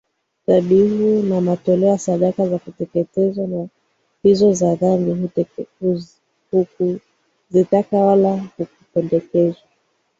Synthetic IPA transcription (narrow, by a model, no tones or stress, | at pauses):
taɓiɦunamatɔlɛɔjasaɗakazakutɛkɛtɛzwana | pizɔzaðami | hu | zitakawalahukupɛndɛkɛzwa